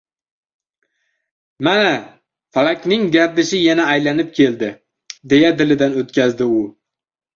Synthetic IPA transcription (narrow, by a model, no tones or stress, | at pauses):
mana | falˠakʲnɪŋɡʲaɾd̪ɪʃɪjanaːjlanɪp̚kʲʰe̞ld̪ɪ | d̪e̞jad̪ɪlɪd̪anot̪̚kʲʰazd̪ɪʊ